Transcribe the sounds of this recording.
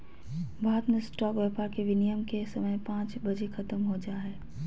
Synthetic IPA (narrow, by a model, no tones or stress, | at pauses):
bʱaːɦt̪mesʈɔːkʋeːpaːɾkeʋɪnijəmkesɐməjpãːt͡ʃbɐd͡ʒekʰɐt̪əmɦod͡ʒaːɦɛː